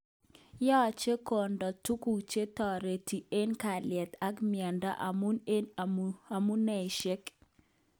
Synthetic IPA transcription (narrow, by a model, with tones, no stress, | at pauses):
jɔ˦˨t͡ʃe˦ko˨ndɔ˨tu˦ku˨t͡ʃe˦tɔ˨ɾe˨ti˨e˦nka˨ljɛ˨t̪a˦kmɪa˨nda̰˦ʔamu˦ne˦na˨mu˦nɛ˨i˨ʃe˦k